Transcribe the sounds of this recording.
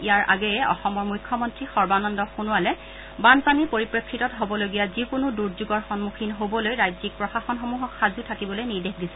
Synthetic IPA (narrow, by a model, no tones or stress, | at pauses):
ijaɹʔa̰ɡɛɛɔ̰xɔmɔɹmujkʰːɔmɔntɹixɔɹbanɔndɔxunuwalɛ | banpanipoɹipɹekʰːitɔtɦobɔloɡijazikʊnuduɹzuɡɔɹxɔnmuxʰinɦobɔlojɹajzik̚pɹɔxaxɔnxomuɦɔkxazutʰakibɔlojniɹdexdisɛ̥